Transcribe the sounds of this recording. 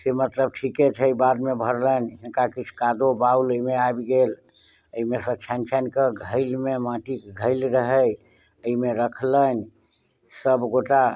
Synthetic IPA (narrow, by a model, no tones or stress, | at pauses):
semət̪ləb̚ʈʰiket͡ʃʰəibad̪mebʱəɾlənɦinkakit͡ʃʰkad̪obauləimeabɡel | əimesə̃t͡ʃʰant͡ʃʰankeɡʱəɪlmemãʈikɡʱəɪlɾəɦəj | əimeɾəkʰlən | səbɡoʈa